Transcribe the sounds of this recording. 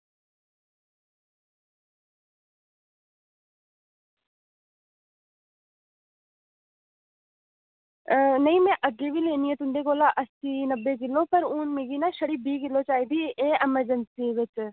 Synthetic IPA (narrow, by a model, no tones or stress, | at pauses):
nɐĩːmɛ̃ʔəɡebʱiːleːniːẽt̪ʊɳɖekoːlaʔəsiːnəbːek̬ɪlːopɐɾuːnmeːɡiːnaʃɐɽibiːk̬ɪlːot͡ʃaːɦid̪ʱieːʔɛməɾd͡ʒənsiːʋɪt͡ʃ